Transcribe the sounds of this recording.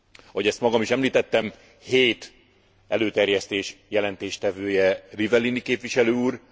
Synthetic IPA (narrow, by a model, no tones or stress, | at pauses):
hoɟɛst̪mɒɡɒmiʃɛmliːt̪ɛt̪ːɛm | heːt̪ | ɛløːt̪ɛrjɛst̪eːʃjɛlɛnt̪eːʃt̪ɛvøːjɛrivɛlinikeːpʋiʃɛløːuːr